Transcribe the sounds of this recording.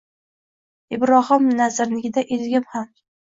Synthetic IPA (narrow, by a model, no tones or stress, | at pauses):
ɪbɾɒɦɒmnazɾnɪɡʲɪd̪aʔelɡʲɪmham